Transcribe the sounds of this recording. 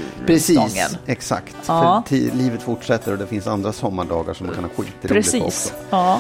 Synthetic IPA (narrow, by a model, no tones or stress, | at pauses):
pʰɾɛsiːsnɛksa̰kt̪fœt̪ʰiːliːvət̪fʊʈʂɛt̪ːəɾɔd̪ɛfɪnsand̪ɾasɔmːaɖɑːɡa̰ʂɔmaŋkʰanhɑːɧiːt̪ːɪɾɾɛɪiːɔ̰kɔ